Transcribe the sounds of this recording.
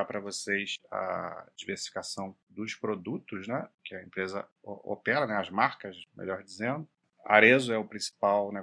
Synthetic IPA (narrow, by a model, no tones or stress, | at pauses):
apɾɐvosejsɐ̰d͡ʒiveɾsi̥fi̥kasɐ̃w̃ | d̪ʊʃpɾod̪ut̪ʊʃnɛkɪɐẽmpɾezɐ | o̰pɛɾɐnɛɐzmaɾkɐʃmḛʎɔɾd͡ʒizẽnd̪ʊ | a̰ɾezʊɛʊpɾĩsi̥pawne